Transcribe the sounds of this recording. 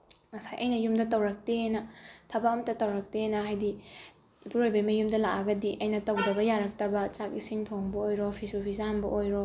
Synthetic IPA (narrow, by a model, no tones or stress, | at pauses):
mɐsajʔɐjnɐjumdɐtɐwɾɐk̚tenɐtʰɐbamtɐtɐwɾɐk̚tenɐɦajdi | ipʰuɾojbɐmɐjumdɐlakɐɡɐdiʔɐjnɐtɐwdɐbɐjaɾɐk̚tɐbɐt͡ʃak̚isiŋtʰoŋbɐojɾopʰisupʰizambɐʔojɾo